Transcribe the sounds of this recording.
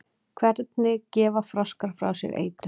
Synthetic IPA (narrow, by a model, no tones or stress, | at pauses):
kʰvɛɾt̪̚nɪcɛːvafɾaskaɾ̥fɾa̰wsjɛ̰ɾʔḛːjt̪ɾɪ